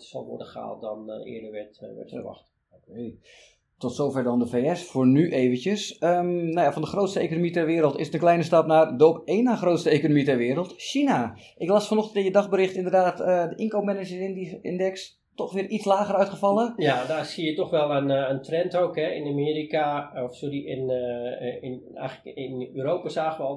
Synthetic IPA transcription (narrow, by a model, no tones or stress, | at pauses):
sɔ̰lˠʋɔ̰ɹdəχa̰ːlˠtdɔnɪ̰ːədərʋɛtʋɛ̰tfəʋɑ̰xt | okej | tɔtsoːfɛɹdɔndəfeːɛsfoːrnyʔeːvənəsəmnawjafɔndəxrowtstəejkonomitɛrʋɪːəɾəlˠtɪsətənklɛjnəstɑpnaːrdəɔpeːnaxrowtstəejkonomitɛrʋɪəɾəlˠtʃina | ʔɪklˠasfɔnɔxtəntɪnjədɑxbəɾɪxtɪndərdaːtədəʔɪŋkowpmɛnəd͡ʒəɪnɪ̰ndɛks | tɔxʋɪːrʔitslaːɣərœɥtχəfɑlˠəjadaːsijətɔxʋɛlˠənəntrɛntowkhɛɪ̰namiːɾikaɔfsoɾiɪn | ɪɛ̰jxələkɪnyːɾoːpasaːxəʋɔlˠ